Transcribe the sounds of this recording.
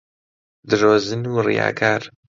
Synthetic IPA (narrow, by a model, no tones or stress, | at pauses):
d̪ɨɾoːzɨnuːrḭja̰ːkʰaːɾ